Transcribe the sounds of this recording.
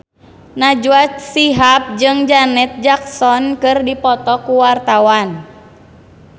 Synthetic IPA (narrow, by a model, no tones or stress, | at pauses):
nad͡ʒuat͡ʃsiɦap̚d͡ʒɨŋd͡ʒanɛt̪̚d͡ʒak̚sɔnkɨrdipɔt̪ɔkuwart̪awan